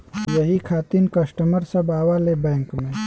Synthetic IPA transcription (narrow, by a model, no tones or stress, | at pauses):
jɐɦikʰaːt̪inkɐsʈəməɾsɐbaːʋalebɛ̃ːŋkmẽ